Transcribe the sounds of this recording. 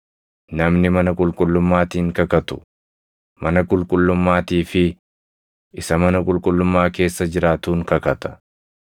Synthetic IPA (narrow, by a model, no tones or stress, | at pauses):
nɐmnɪmɐnɐkʼʊlkʼʊlːʊmːaːt̪iːŋkɐkɐt̪ʊ̥ | mɐnɐkʼʊlkʼʊlːʊmːaːt̪iːfɪ | ʔɪsɐmɐnɐkʼʊlkʼʊlːʊmːaːke̞ːsːɐd͡ʒɪɾaːt̪uːŋkɐkɐt̪ɐ̥